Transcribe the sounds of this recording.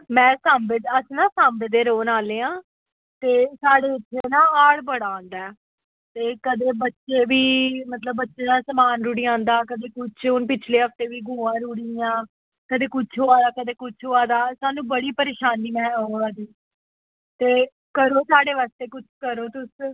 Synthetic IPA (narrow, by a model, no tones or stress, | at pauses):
mɛ̃ːsaːmbɪd̪əsnãːsaːmbɪd̪eːɾoːnaːleːãː | t̪eːsaːɽeːɪt̪ʰːeːnãːaːɽbəɽaːõːnd̪aɛː | t̪eːkəd̪eːbətːʃeːʋiːmət̪ləbːətːʃeːd̪ãːsəmaːnɾuːɽiːãːnd̪aːkəd̪eːkʊt͡ʃʰʊnpɪt͡ʃʰleːɦəft̪eːʋiːɡʱũːãːɾuːɽiːãː | kəd̪eːkʊt͡ʃʰɦoːaːd̪aːkəd̪eːkʊt͡ʃʰɦoːaːd̪aːsaːnũːbəɽiːpəɾeːʃaːnːiːmɛ̃ːoːaːd̪iː | t̪eː | kəɾoːsaːɽeːʋaːst̪eːkʊt͡ʃʰkəɾoːt̪ʊs